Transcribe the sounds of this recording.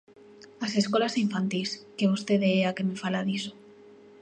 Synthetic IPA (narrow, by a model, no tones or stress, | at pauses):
aseskolasiɱfant̪iskeβust̪eðeeakemefalaðiso